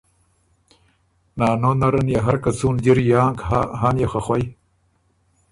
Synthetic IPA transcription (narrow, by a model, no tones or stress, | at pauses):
naːnonɐɾɐnjaɦaɾkat͡suːnd͡ʑiɾijaːŋkaɦaːnjaxaxwaj